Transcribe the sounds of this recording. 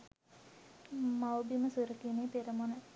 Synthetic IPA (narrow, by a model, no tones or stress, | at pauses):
mawbiməsuɾəkineːpeɾəmonə